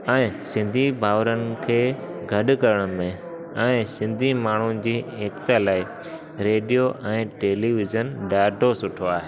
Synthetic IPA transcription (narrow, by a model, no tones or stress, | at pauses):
ɛ̃ːsɪ̃nd̪ʱibʱaːʋɾənɪ̆kʰeːɡʱɐɗʊkɐɾəɽ̃mẽ | ɛ̃ːsɪ̃nd̪ʱimaːɳ̤ud͡ʑiːeːkt̪əlaːɪ | ɾeːɖijoʔɛ̃ːʈeːliːʋɪzənɖaːɖʱosʊʈʰoaːɦeː